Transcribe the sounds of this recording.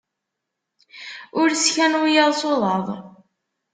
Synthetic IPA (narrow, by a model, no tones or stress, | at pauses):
ʊɾsçænwijəðˤsoðˤɑðˤ